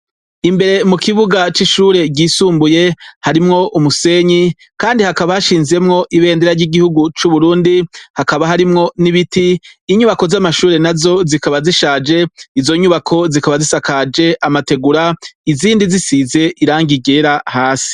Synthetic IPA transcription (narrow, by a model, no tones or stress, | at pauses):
imbe̞ɾe̞mukiβuɡat͡ʃiʃuːɾe̞ɟiːsuːmbuje̞haɾimŋo̞ʔumuse̞ːɲi | kaːndihakaβahaʃiːnze̞mŋo̞ʔiβe̞ːndeɾaɾɟiɡihuɡut͡ʃuβuɾuːndihakaβaɦaɾimŋo̞niβitiːɲuβako̞zamaʃuːɾe̞nazo̞zikaβaziʃaːd͡ʒe̞izo̞ɲuβakʰo̞zikaβazisakad͡ʒe̞ʔamate̞ɡuɾaiziːndizisize̞ʔiɾaːŋɡiɡeɾahaːsi̥